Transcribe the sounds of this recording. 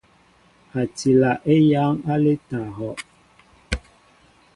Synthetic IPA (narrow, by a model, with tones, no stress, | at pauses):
ha˨ti˨la˨ʔe˦ja˨˦ŋa˦le˦ta˨ɦɔ˨ʔ